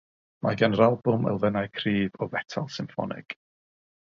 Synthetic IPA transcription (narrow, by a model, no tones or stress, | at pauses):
mʔa̰ɡanɾalˠbʊmɛ̰lˠvɛnajkʰriːvɔvɛtʰalˠsɪmfɔ̰nɪ̰ɡ̥